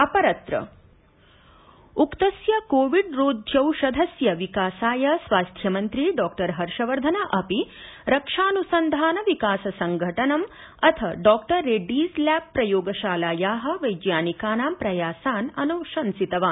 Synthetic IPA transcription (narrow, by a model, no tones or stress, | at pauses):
ɐpɐɾɐt̪ɾɐ̰ | ukt̪ɐsjɐkoːʋiɖɾoːd̪ʱjɐwʃɐd̪ʱɐsjɐʋikaːsaːjɐsʋaːst̪ʰjɐmɐnt̪ɾiɖɔːk̚ʈɐɾɦɐɾʂɐʋɐɾd̪ʱɐnɐʔɐpiɾɐkʂaːnusɐnd̪ʱaːnɐʋikaːsɐsɐŋɡʱɐʈɐnɐm | ɐt̪ʰɐɖɔːk̚ʈɐɾːeːɖiːzljaːk̚pɾɐjoːɡɐʃaːlaːjaːɦɐ̆ʋɐjd͡ʒjaːnikaːnaːmpɾɐjaːsaːnɐnuʃɐnsit̪ɐʋaːn